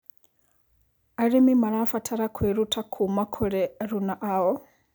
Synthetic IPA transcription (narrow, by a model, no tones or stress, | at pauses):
aɾimimaɾafatʰaɾakʰweɾutʰakʰumakʰuɺɛɾunaʔawɔ